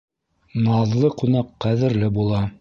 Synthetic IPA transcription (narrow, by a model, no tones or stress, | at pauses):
nɑðlˠɤqunɑqːæðɘ̆ɾlɘbulˠɑ